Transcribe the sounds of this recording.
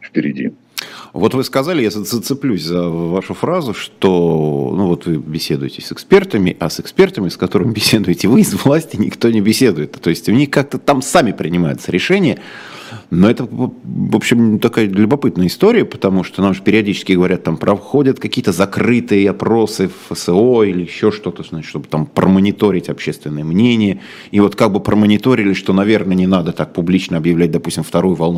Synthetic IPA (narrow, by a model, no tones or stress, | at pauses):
fpʲɪɾʲɪ̰dʲḭ | vo̞t̪vɨskɐzalʲɪjazət̪sət̪sɨplʲusʲzɐvaʂʊfɾazʊʂt̪onuvo̞t̪vɨbʲɪsʲe̞d̪ʊjɪtʲɪsɨkspʲe̞rt̪əmʲɪʔɐsɨkspʲe̞rt̪əmʲɪskɐt̪o̞ɾɨmʲbʲɪsʲe̞d̪ʊjɪtʲɪvɨɪzvlˠasʲtʲɪnʲɪ̰kt̪o̞nʲɪbʲɪsʲe̞d̪ʊjɪt̪t̪o̞jɪsʲtʲʊnʲixkak̚t̪ət̪amsamʲɪpɾʲɪnʲɪmajʊt̪səɾʲɪʂɛnʲɪjə | no̞ɛt̪əvo̞pɕːɪmt̪ɐkajəlʲʊbɐpɨt̪̚nəjəɪst̪o̞ɾʲɪjəpə̥t̪ɐmuʂt̪onamʐɨpʲɪɾʲɪɐdʲit͡ɕɪ̥skʲɪɡəvɐɾʲat̪ːampɾʔɐfxo̞dʲət̪kɐkʲijət̪əzɐkrɨt̪ɨjəɐpɾo̞sɨffəsɨoilʲɪjɪɕːo̞ʂt̪o̞t̪əznaʂt̪o̞bɨ̥t̪ampɾəmənʲɪt̪o̞ɾʲɪtʲɐpɕːe̞st̪vʲɪnːəɨjəmnʲenʲɪjə | ivo̞t̪kaɡ̚bɨpɾʔəmənʲɪt̪o̞ɾʲɪlʲɪʂt̪o̞nɐvʲe̞rnənʲɪnad̪ət̪ak̚pʊblʲit͡ɕnəɐbjɪvlʲæt̚ʲd̪ɐpu̥sʲtʲɪmft̪ɐɾojʊvɐlˠnu